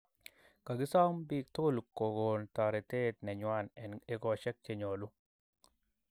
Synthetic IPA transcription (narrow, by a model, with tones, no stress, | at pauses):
ka˨ɡɪ˦sa˦mbi˦k̚t̪o˦lko˨ɡo˨nt̪a˨ɾe˨t̪e˦t̪nɛ˨ɲwa˦˨nɛ˨ne˦ɡɔ˨ʃɛ˦k̚t͡ʃe˨ɲo˨lu˦